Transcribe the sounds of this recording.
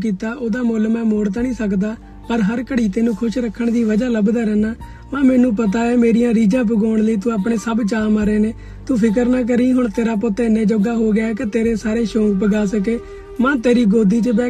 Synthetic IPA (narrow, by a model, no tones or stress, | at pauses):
kiːt̪aːʔoːd̪aːmoːlmɛ̃ːmoːɽt̪̬aːnĩːsəkd̪aː | pəɾɦəɾkəɽiːt̪eːnũːkʰʊʃɾəkʰːəɳd̪iːʋəd͡ʒaːləbd̪aːɾɛːnaː | mãːmɛːnũːpət̪̬aːeːmeːɾijãːɾiːd͡ʒãːp̬əɡoːɳ̃ləiːt̪ũːaːp̬ɽeːsəbt͡ʃaːmaːɾeːneː | t̪uːpʰɪk̬əɾnaːk̬əɾiːɦʊɳt̪eːɾaːp̬ot̪eɪnẽːd͡ʒoɡaːɦoːɡɪaːkɪt̪eːɾeːsaːɾeːʃoːɡpəɡaːs̬ək̬eː | mãːt̪eːɾiːɡoːd̪iːt͡ʃəbɛː